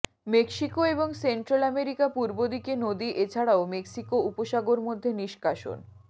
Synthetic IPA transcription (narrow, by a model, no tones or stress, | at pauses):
mekʃikoeboŋseɳʈɾalɛmeɾikapuɾbod̪ikenod̪iʔet͡ɕʰaɽaomeksikoupoʃaɡoɾmod̪ʱːeniʃkaʃo̰n